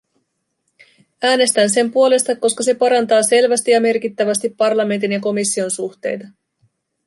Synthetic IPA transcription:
æːne̞st̪ænse̞mpuo̞le̞st̪ɑkːo̞skɑse̞pɑɾɑnt̪ɑːse̞lʋæst̪ijɑme̞rk̟it̪ːæʋæst̪ipːɑrlɑme̞nt̪injɑko̞misːio̞nsuxt̪e̞̰jt̪ɑ

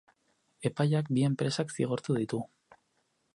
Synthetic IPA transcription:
e̞pajakbie̞mpɾe̞saksiɣ̞o̞ɾt̪uðit̪u

